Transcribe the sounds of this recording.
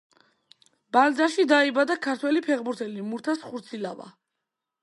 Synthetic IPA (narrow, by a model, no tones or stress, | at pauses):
b̥ald̪zaʃid̪aibad̪akʰaɾt̪ʰwɛlipʰɛʁbuɾt̪ʰɛlimuɾt̪ʰasχuɾt̪sʰila̰va̰